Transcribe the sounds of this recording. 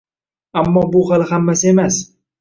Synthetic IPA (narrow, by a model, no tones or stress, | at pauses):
amːɒːbʊhalˠhamːasɪe̞mas